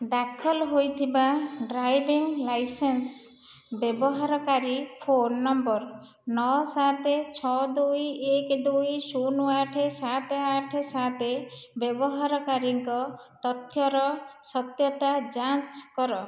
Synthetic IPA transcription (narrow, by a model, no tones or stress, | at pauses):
d̪akʰɔlɦojt̪ʰibaɖɾajbiŋlajsens | bjebɔɦaɾɔkaɾipʰonːɔmbɔɾ | nɔsat̪et͡ʃʰɔd̪ujekd̪ujsunuaʈʰesat̪eaʈʰesat̪ebjebɔɦaɾɔkaɾiŋkɔ | t̪ɔt̪jɔɾɔsɔt̪jɔt̪ad͡ʒat͡ʃkɔɾɔ